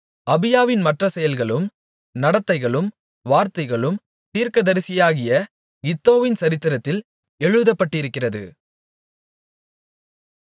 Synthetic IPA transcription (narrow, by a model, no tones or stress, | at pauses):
ɐbɪjaːʋɪnmɐʈrɐsɛjɐlɣɐɭɯm | nɐɽɐt̪ːɐɪɣɐɭɯm | ʋaːɾt̪ɐɪɣɐɭɯm | t̪iːɾkɐðɐɾɪsɪjaːɣɪjɐ | ɪt̪ːoːʋɪnsɐɾɪt̪ːɪɾɐt̪ːɪl | ɛɻɯðɐpːɐʈːɪɾɯkːɪrɐðɯ̰